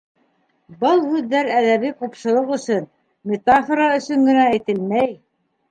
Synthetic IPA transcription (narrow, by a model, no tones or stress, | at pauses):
bɤlˠhʉðːæɾæðæβiqupʃɤ̆lˠɤqɵ̆sɵn | mʲet̪afoɾɑɵ̆sɵŋɡɘ̆næːjt̪ɘlmæj